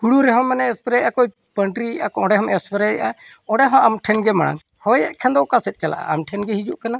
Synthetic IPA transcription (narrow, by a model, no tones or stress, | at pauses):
ɡuɽuɾɛɦɔmːɛnɛɛspɾɛʔakɔi | pəɳʈɾiʔakɔɔɽɛɦɔmɛspɛɾɛʔaɔɽɛɦɔ̃ʔamʈʰɛnɡɛmaɽ̃a̰ŋ | hɔjɛʔkʰɛ̃nd̪ɔkasɛt̪̚ˀt͡ʃala̰ʔa̰a̰mʈʰɛnɡɛɦid͡ʒuʔkana